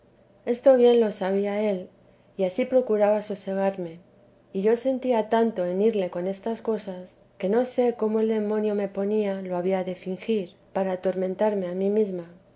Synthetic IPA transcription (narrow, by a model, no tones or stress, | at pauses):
e̞st̪o̞βje̞nlo̞saβ̞iae̞l | iasipɾo̞kuɾaβasose̞ɣ̞aɾme̞ | iʝo̞se̞nt̪iat̪ant̪o̞e̞niɾle̞ko̞ne̞st̪asko̞sas | ke̞no̞se̞ko̞mo̞e̞ld̪e̞mõ̞njo̞me̞po̞nialo̞aβiaðe̞fiŋxiɾpaɾaːt̪o̞ɾmẽ̞nt̪aɾme̞amimizma